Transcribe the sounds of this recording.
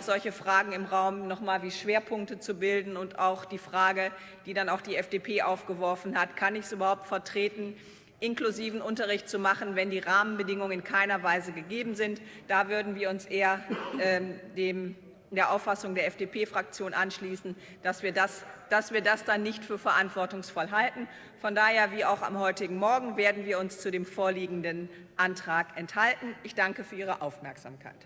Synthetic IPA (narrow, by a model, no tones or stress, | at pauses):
ʊxz̥ɔlçəfʁ̥aːɡŋ̩ɪmʁaʊmnɔχmaːlviːʃv̥eːɐpʰʊŋk̚tət͡subɪldn̩ʊntaʊxd̥iːfʁ̥aːɡə | d̥iːdanaʊxd̥iːɛfd̥eːpʰeːʔaʊfɡ̥əvɔɐfn̩hatkʰanɪçsʔyːbɐhaʊp̚tfɛɐtʁ̥eːtn̩ | ʔɪnkluziːvn̩ʔʊntɐʁɪçtt͡sumaχn̩vɛndiːʁaːmənbədɪŋʊŋəŋɪnkʰaɪnɐvaɪzəɡəɡeːbm̩zɪntd̥avʏɐdn̩viːɐʊnsʔeːɐɛdeːm | d̥eːɐʔaʊfasʊŋdeːɐɛfd̥eːpʰeːfʁ̥ak̚t͡sjoːnʔanʃliːsn̩ | d̥asv̥iːɐdasd̥asv̥iːɐdasd̥anːɪçtfyːɐfɛɐʔantv̥ɔɐtʊŋsfɔlɦaltn̩ | fɔndaːheːɐviːʔaʊxa̰mɦɔʏtɪɡŋ̩mɔɐɡŋ̩veːɐdn̩viːɐʊnst͡sudeːmfoːɐliːɡŋ̩dən | ʔantʁ̥aːkʔɛnthaltn̩ʔɪçd̥aŋkəfyːɐʔiːʁəʔaʊfmɛɐkz̥a̰ːmkʰa̰ɪt